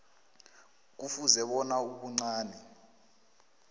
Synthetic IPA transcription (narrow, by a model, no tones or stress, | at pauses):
k̬ufuzɛɓɔnauɓuŋ͡ǀaːnɛ